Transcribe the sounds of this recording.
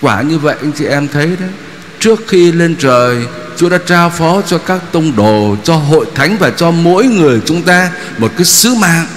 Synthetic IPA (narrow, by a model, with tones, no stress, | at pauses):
kwaː˧˩ɲɨ˧və̰˧˨jʔa˧jŋ̟t͡ɕḭ˧˩ʔɛ˧mt̪ʰə˨˦jɗə˨˦ | t͡ɕɨ˦˥ək̚xi˧le˧nt͡ɕəː˨˩j | t͡ɕu˨˦ɗa̰ː˧˥t͡ɕaː˧wfɔ˨˦t͡ɕɔ˧kaː˦˥k̚t̪ə˧wŋ͡mɗo˨˩t͡ɕɔ˧ɦo̰˧˨jt̪ʰa˨˦jŋ̟vaː˨˩t͡ɕɔ˧mo̰˧˥jŋɨ˨˩əjt͡ɕʊ˨˦ŋ͡mt̪aː˧ | mo˨˩t̚kaː˨˦jsɨ˨˦ma̰ː˧˨ŋ